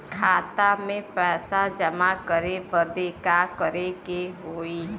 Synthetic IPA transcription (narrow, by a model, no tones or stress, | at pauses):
kʰaːt̪amẽpɛːsad͡ʒəmakəɾebəd̪ekakəɾekeɦoːiː